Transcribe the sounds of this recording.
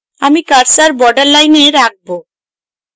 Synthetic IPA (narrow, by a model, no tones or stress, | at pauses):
amikaɾsaɾbɔɖaɾlajneɾak̚bo